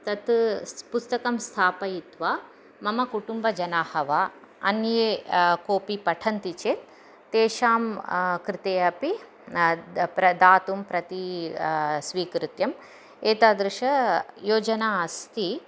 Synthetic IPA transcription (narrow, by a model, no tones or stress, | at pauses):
t̪ɐt̪pust̪ɐkɐmst̪ʰaːpɐjit̪ʋaː | mɐmɐkuʈumbɐd͡ʒɐnaːhɐʋaː | ɐ̰njeːkoːpipɐʈʰɐnt̪it͡ʃeːt̪ | t̪eːʃaːmkɾɪt̪eːɐpi | pɾɐd̪aːt̪umpɾɐt̪i | sʋiːkɾɪt̪jɐm | eːt̪aːd̪ɾɪʃɐjoːd͡ʒɐnaːɐst̪ʰi